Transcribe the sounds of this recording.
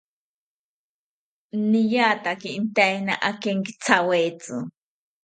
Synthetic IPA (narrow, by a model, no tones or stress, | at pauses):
nijat̪akint̪ajnaʔakeŋkit͡sʰawet͡sɨ̰